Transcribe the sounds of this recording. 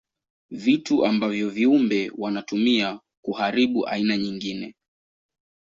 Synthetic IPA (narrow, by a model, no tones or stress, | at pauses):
vituʔambavjɔviumbɛwanatumia | kuhaɾiɓuʔa̰inaɲiŋɡinɛ